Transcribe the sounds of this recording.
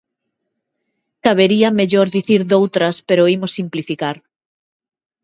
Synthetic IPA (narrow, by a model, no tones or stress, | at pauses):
kaβeɾiameʎoɾðiθiɾðowt̪ɾɐspeɾoimosːimplifikaɾ